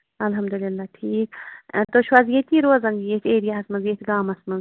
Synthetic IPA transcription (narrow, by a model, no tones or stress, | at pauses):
ɐlɦɐmd̪ulɪlːaːʈʰiːkt̪oʃwazjet̪iːɾoːzɐŋɡjet̪ʰeːɾijaɦɐsmɐnzjet̪ɡaːmɐsmɐnz